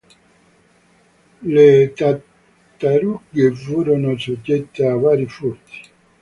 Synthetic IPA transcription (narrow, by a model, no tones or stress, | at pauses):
let̪a | t̪ːaɾuɡefuːɾonosod͡ʒːet̪ːeavaːɾifurt̪i̥